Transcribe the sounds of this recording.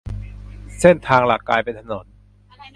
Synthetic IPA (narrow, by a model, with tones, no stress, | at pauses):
se˥˩nt̪ʰaː˧ŋlaː˨˩kːaː˧jpe˧nt̪ʰa˧nɔ˩˦n